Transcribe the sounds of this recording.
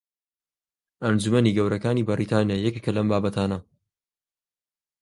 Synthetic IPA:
ʔɐnd͡ʒumɐniːɡɐwɾɐkaːnibɐɾit̪ʰaːnijajɛkekʰɐlɐmbaːbɐt̪ʰaːnɐ

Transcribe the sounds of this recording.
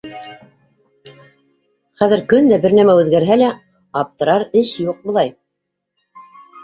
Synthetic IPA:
χæðɘ̆ɾkɵnd̪æbɘɾnæmæʉðɡæɾɦælæ | ɑp̚t̪ɤ̆ɾɑɾɘʃjuq̚bŏlˠɑj

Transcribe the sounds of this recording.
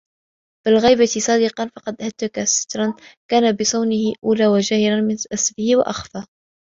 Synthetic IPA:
b̥ɪlɣijbat̪sˤɑːd̪ɪqɑnfɑqɑd̪ʔhat̪ːakasɪ̥t̪ɾˤɑnkaːnabɪsˤɑwnɪhɪʔuːlaːwaʒaːhɪɾanmɪnʔasbɪhɪwa̰ʔaxfaː

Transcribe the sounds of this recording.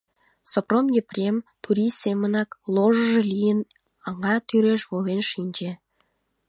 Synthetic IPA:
sopromjeprʲemt̪ʰuɾisemənɑklˠoʒəʒə̆lijən | ɑŋɑt̪yɾeʃβolenʃinʲd͡ʒe

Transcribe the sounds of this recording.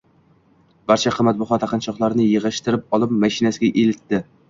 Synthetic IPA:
b̥aɾt͡ʃʰaqʰɨmat̪̚bʊʁɒt̪ʰhaqɨnt͡ʃʰɒqlˠaɾnɪjɨʁɨʃt̪ɪɾɪp̚ɒlˠɪp̚maʃɪnasɪɡʲaʔelɪt̪ːɪ

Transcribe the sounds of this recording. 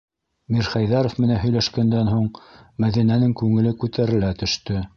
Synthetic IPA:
miɾχɑjðɑɾŏfmɘ̆nænɦɵ̆jlæʃkænd̪ænɦuɴmæðinænɘŋkʉŋɘ̆lɘkʉt̪æɾɘ̆læt̪ɵ̆ʃt̪ɵ

